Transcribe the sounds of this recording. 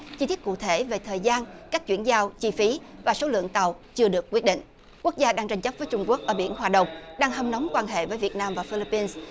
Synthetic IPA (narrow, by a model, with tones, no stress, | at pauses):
t͡ɕi˧t̪ʰi˦˥t̚kṵ˧˨t̪ʰe˧˩ve˨˩t̪ʰəː˨˩jzaː˧nkaː˦˥k̚t͡ɕwḭ˧˩ənzaː˧wt͡ɕi˧fi˨˦vaː˨˩so˨˦lɨ̰˧˨əŋt̪a˨˩wt͡ɕɨ˧əɗɨ˨˩əkwi˦˥ət̚ɗḭ˧˨ŋ̟ | ku˦˥ək̚zaː˧ɗaː˧ŋt͡ɕa˧jŋt͡ɕə˦˥p̚vəː˨˦jt͡ɕʊ˧ŋ͡mku˦˥ək̚ʔəː˧˩ɓi˧˩ənɦwaː˨˩ɗə˨˩wŋ͡mɗaː˧ŋɦə˧mnə˨˦wŋ͡mkwaː˧nɦḛ˧˨vəː˨˦jvi˨˩ət̚naː˧mvaː˨˩fi˧li˧˥pːi˧ns